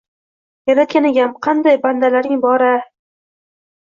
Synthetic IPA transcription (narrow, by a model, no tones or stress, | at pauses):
jaɾat̪̚kʲanɪɡʲamqʰɑnd̪ajband̪alaɾɪŋbɒɾa